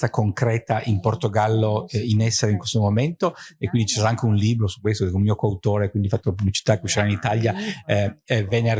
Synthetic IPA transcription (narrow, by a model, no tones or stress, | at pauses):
t̪akoŋkɾɛːt̪aʔimport̪oɡalːoinɛsːeɾeiŋkwest̪omoment̪oekwind̪it͡ʃisɛɾaaŋk̟eunliːbɾosu̥kːwest̪od̪komiokoawt̪oːɾekwind̪ifat̪ːolapublit͡ʃit̪akeuʃːiɾainit̪alja | vɛnːea